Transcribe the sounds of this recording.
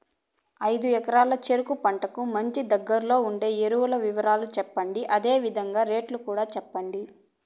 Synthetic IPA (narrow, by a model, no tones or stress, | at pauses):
ɐjd̪uɛkɐɾaːlɐt͡ʃeɾukupɐɳʈɐkumɐɲt͡ʃid̪ɐɡːɐɾlo̞ːuɳɖe̞ːeɾuʋɐlɐʋiʋɐɾaːlut͡ʃɛpːɐɳɖiʔɐd̪e̞ːʋid̪ʱɐŋɡaːɾe̞ːʈlukuːɽaːt͡ʃɛpːɐɳɖi